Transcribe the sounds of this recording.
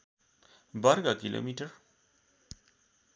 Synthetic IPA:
baɾɡakilʔo̰miʈəɾ

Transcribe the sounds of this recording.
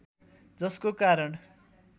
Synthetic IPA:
d͡zʌskokaɾʌɳ

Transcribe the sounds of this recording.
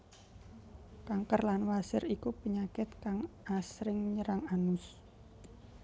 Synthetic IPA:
kaŋkərlanwasɪɾikupəɲakɪt̪̚kaŋasɾɪŋɲəɾaŋanʊs

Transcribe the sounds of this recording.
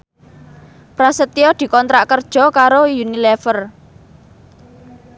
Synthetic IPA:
pɾasət̪iɔd̪̥i̤kɔnt̪ɾaʔkərd̥ʒ̥ɔ̤kaɾojunilɛfər

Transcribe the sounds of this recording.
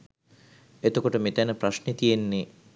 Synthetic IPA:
et̪əkoʈəmet̪ænəpɾasʃnet̪ijenːe

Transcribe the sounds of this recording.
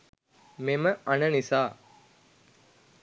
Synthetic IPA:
meməanənisaː

